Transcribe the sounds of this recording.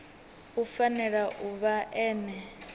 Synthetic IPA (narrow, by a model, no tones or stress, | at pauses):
ufanɛɺaʔuβaʔɛːnɛ